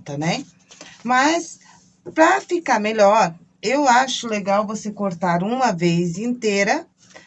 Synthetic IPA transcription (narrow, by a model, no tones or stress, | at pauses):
t̪ɐnɛ | mɐs | pɾɐfikaɾmeʎɔɾ | ewaʃʊleɡawvosekoɾt̪aɾũmɐvezĩnt̪eɾɐ